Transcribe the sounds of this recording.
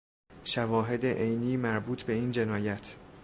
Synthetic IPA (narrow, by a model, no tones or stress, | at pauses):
ʃævɒːɦe̞d̪eʔejniːmæɾbuːt̪ʰbe̞iːnd͡ʒe̞nɒːjæt̪ʰ